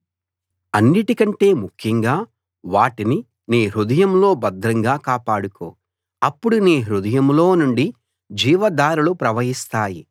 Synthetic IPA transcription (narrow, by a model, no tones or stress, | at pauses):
ɐnːiʈikɐɳʈe̞ːmukʰjɐŋɡaː | ʋaːʈini | niːɦɾud̪ɐjɐmlo̞ːbɐd̪ɾɐŋɡaːkaːpaːɽuko̰ː | ɐpːuɽuniːɦɾud̪ɐjɐmlo̞ːnuɳɖi | d͡ʒiːʋɐd̪aːɾulupɾɐʋɐɦist̪aːji